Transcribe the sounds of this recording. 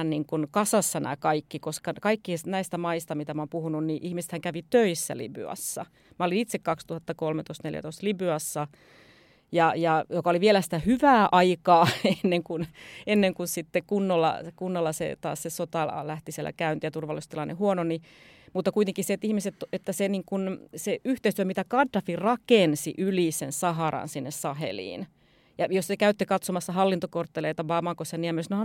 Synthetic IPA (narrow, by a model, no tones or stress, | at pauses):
nniŋkunkɑsɑsːɑnæ̰kɑikːikoskɑkɑikːiesnæist̪æmɑist̪ɑmit̪æmɑompuhununniʔihmisĕ̥t̪hæŋkæʋit̪øisːæ̰lḭby̰ɑ̰sːɑ̰ | mæolinit̪sekkɑkst̪uhɑt̪ːɑkolmet̪oist̪nḛljæ̰t̪oist̪libyɑsːɑ | jɑjɑjokɑoliʋielæsi̥t̪æhyʋæːʔɑikɑːenːeŋkunenːeŋkussit̪ːekunːolːɑ̰kunːolːɑsḛt̪ɑ̰ːssesot̪ɑlæht̪isiḛlʔæ̰kæynt̪iæt̪urʋɑlːˑist̪ilːɑnehuononi | mut̪ːɑkuit̪eŋkisset̪ihmiset̪et̪ːæseniːŋkunseyht̪eˑist̪yømit̪ækɑdːɑfirɑkensiʔylisensɑɦɑɾɑ̰nsinːessɑhḛlḭːn | jɑjossekæyt̪ːekɑt̪somɑsːɑhɑlːint̪okort̪ːeleit̪ɑʋɑmɑkosːɑniæmːysno